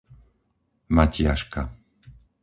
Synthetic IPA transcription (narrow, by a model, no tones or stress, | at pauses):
macɪaʃka